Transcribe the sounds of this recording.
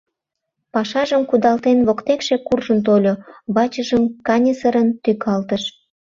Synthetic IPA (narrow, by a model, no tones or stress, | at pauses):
pɑʃɑʒəmkud̪ɑlt̪enβokt̪ekʃekurʒənt̪̬olʲoβɑt͡ɕəʒəmkɑnʲesəɾənt̪ykʰɑlt̪əʃ